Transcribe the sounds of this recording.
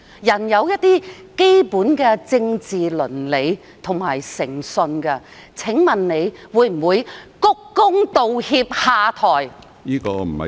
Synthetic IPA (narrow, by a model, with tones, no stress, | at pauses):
jɐ˨˩njɐ˨˧wjɐ˥t̚t̪ːiː˥ke˥jpuː˨˥nkɛː˧t͡sɪ˧ŋt͡siː˨lɵ˨˩nle˨˧j | t̪ʰʊ˨˩ŋmaː˨˩jsɪ˨˩ŋsɵ˧nkɛ˧ | t͡sʰɪ˨˥ŋmɐ˨nne˨˧jwuː˨˧˥jm̩˨˩wuː˨˧jkʊ˥kːʊ˥ŋt̪o˨whiː˧p̚haː˨˧t̪ʰɔː˨˩j | niː˥kɔː˧m̩˨˩hɐ̰˨